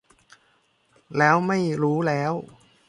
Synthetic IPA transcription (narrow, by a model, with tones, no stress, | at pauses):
lɛː˦˥wma˥˩jɾuː˦˥lɛː˦˥w